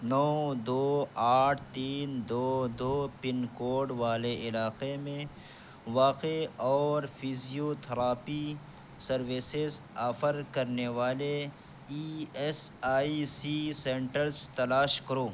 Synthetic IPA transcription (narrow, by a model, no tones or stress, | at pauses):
nɔːd̪oːaːʈʰt̪iːnd̪oːd̪oːpɪnkoːɾɖʋaːleɪlaːqemẽ | ʋaːqeɔːɾfʰizijot̪ʰɐɾaːpi | sɐɾwɪsezaːfəɾkɐɾneʋaːle | iesaːisisẽːɳʈəɾzt̪ɐlaːʃkɐɾoː